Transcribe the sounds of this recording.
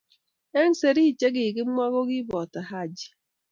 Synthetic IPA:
e˦n̩˦se˨ɾi˦˨t͡ʃe˦ɡe˨ɡe˦ŋ͡m̩˦mʷa˦ɣo˦ɣi˦bɔ˨ta˨ɦa˦˨d͡ʒi̥˦

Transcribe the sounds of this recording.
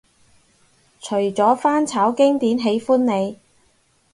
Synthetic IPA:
t͡ʃʰɵ˨˩ɥt͡sɔː˨˥faː˥nt͡sʰaː˨˥wkɪ˥ŋt̪iː˨˥nɦe˨˥jfuː˥nːe˨˧j

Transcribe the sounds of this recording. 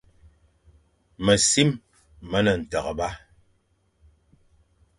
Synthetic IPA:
mə˨si˦mː | ə˦nə˨n̩˨tə˨ɣə˨ba˦

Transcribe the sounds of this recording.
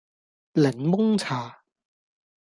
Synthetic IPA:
lɛ˨˩˦nmʊ˥ŋt͡sʰaː˨˩

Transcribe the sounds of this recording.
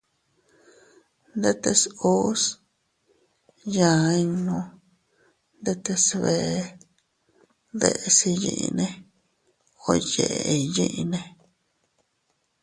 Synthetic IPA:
nd̪e˦t̪e˧su˦s | jã˨˧i˧nõ˧ | nd̪e˦t̪e˧sβe˧˨˦ | ðḛ˧ʔe˧si˧jḭ̃˧ʔḭ˧nẽ˦ | o˧je˨ʔe˧i˧jĩ˦ʔi˧nẽ˧

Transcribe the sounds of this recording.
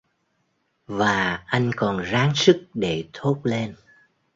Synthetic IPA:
vaː˨˩ʔa˧jŋ̟kɔ˨˩nzaː˨˦ŋsɨ˦˥k̚ɗe˧˩t̪ʰo˦˥t̚le˧n

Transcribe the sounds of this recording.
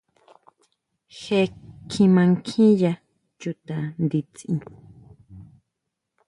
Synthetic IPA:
xe˧kʰĩ˧mã˧ŋkʰĩ˦ja˧ | t͡ʃu˧t̪ã˧˨nd̪i˧t͡sĩ˧

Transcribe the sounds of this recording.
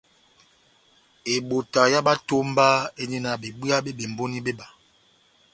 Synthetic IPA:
e˨ɓo˨ta˨ja˦ɓa˦to˦mba˦e˦ne˦na˨be˨bu˦a˦ɓe˦ɓe˨m˨bo˦ni˦be˦ɓa˨

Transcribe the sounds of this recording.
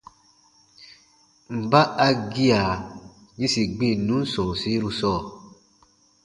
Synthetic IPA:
m̩˨ba˦ʔa˦ɡi˦a˨ | ɲĩ˦si˨ɡ͡bĩ˦˨nũ˨˦n̩˦sɔ̃˨si˦ɾu˧sɔː˦˨

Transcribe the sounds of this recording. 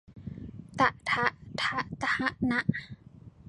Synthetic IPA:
t̪a˧ʔt̪ʰa˧ʔt̪ʰa˧˥ʔt̪a˧ha˧˥ʔna˧˦˥ʔ

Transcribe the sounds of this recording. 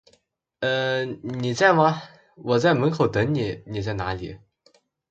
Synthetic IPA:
ə˥˧ni˨˩t͡sa˥˧ɪma˥˧ | wɔ˨˩t͡sa˥˩ɪmə˧˥nkʰo˨˩ʊt̪ɤ˧˥ni˨˩˦ni˨˩t͡sa˥˩na˧˥lḭ˨˩˦

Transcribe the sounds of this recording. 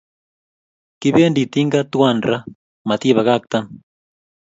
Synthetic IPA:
ki˦βe˦ndi˨t̪i˦ŋɡa˦t̪wa˦˨nɾa˦ | ma˨t̪i˦βa˨ɣa˦˨k̚t̪a˦n

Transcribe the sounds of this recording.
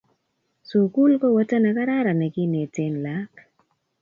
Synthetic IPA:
so˨ku˦lkɔ˦wa˦ta˦na˨ka˦ɾa˦ɾa˨nɛ˨kɪ˦ne˨te˦nla˨˦k

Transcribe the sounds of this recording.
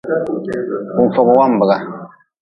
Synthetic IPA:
u˨ɱ̩˨fɔ˨ɡɔ˨wa˦m̩˨bə˨ɡa˦

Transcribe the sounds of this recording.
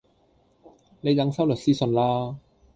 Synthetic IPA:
ne˨˧jɐ˨˧˥ŋsɐ˥wlɵ˨˩k̚siː˥sɵ˧nlaː˥

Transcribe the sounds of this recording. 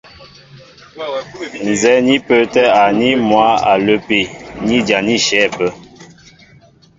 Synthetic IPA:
n̩˨zɛ˨˦ni˦pə˨˦tɛ˦a˨ni˦mwa˨˦a̰˨lə˦pe˨ni˦d͡ʒa˨ni˦ʃɛ˨˦˨pə˦

